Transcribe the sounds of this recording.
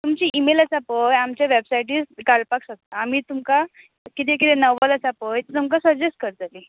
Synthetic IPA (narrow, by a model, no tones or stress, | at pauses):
t̪umt͡ɕiːʔimelət͡sapəjamt͡ɕjaʋebsaiʈiːskalpaksəkt̪aːmiːt̪umka | kit̪ekit̪enəʋʋalat͡sapəjt̪et̪umkasəɾd͡ʑesʈ̚kəɾt̪ali